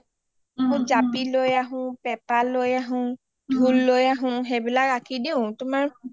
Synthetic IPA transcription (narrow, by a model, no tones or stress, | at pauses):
mʊ̃zapilojaɦʊ̃pɛpalojaɦʊ̃ | dʱulːojaɦʊ̃ɦebilakakʰidiʊ̃tʊmaɹ